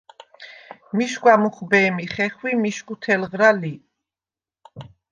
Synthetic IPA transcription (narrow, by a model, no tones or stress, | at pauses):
miʃkwamuχbɛːmiχɛχwimiʃkut̪ʰɛlʁɾali